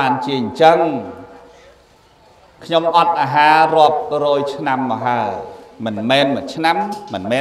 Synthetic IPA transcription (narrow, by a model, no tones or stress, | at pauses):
aːnt͡ɕiəɲt͡ɕəŋ | kʰɲomʔɑt̪̚ʔaːɦaːrŏəp̚rɔːjt͡ɕʰnamːɑːɦaəjmɨnmɛːnmɨt͡ɕʰnamːɨnmɛː